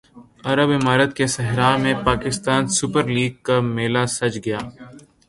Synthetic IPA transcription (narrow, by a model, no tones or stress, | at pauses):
ɐɾəbɪmaːɾət̪̚kesɐɦɾaːmẽpaːkɪst̪aːnsʊpəɾliːɡ̚kameːlasɐt͡ʃɡɐjaː